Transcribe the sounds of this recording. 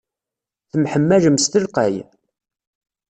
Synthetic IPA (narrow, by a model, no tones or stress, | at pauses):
θəmħəmːæʒəmst̪əlqæj